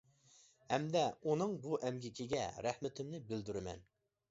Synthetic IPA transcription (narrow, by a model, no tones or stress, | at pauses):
hɛmd̪ɛunɨŋbuʔɛmɡʲɪkʲʰɪɡʲɛ̰ɾæhmɪt̪ʰɪmnɪbɪld̪yɾɪmɛ̰n